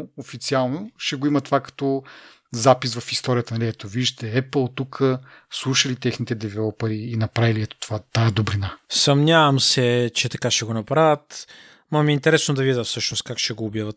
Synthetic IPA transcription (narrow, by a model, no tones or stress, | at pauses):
ofit̪sialˠnoʃɛɡoimɐt̪ovakɐ̥t̪ɔ | zapisvɐfist̪ɔɾiət̪ənɐliɛt̪oviʒʒt̪ɛɛplˠt̪ukʰəslˠuʃəlit̪ɛxnit̪ɛd̪ɛvɛɔpɐɾiːnɐpɾaviliɛt̪o̥t̪ovat̪aɛd̪obɾinasɐmnʲavɐmsɛt͡ʃɛt̪ɐkaʃɛɡonɐpɾavət̪ | mɐmɛint̪ɛɾɛsnod̪ɐvid̪əfsɤʃnost̪̚kakʃɛɡoːbjavɐt̪